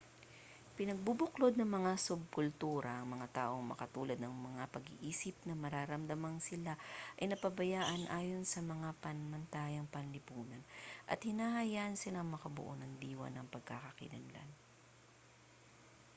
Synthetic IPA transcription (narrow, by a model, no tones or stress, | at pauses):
pɪnɐɡ̚bubʊklod̪̚nɐŋmɐŋasʊb̚kʊlt̪uːɾɐʔɐŋmɐŋat̪a̰ːʔo̞ŋmɐ̰kɐt̪uːlɐd̪nɐŋmɐŋapɐɡɪ̰ʔiːsɪp̚nɐmɐɾaːɾɐmd̪ɐmansɪlaʔɐjnɐpɐbɐjaːʔɐnʔaːjo̞nsɐmɐŋapɐnmɐnt̪aːjɐŋpɐnlɪpuːnɐnʔɐ̰t̪hɪnaːhɐjaːʔɐnsɪlaŋmɐkɐbʊ̰ʔonɐŋd̪iːwɐ̰nɐŋpɐɡ̚kakɐkɪ̰nɐ̰nla̰n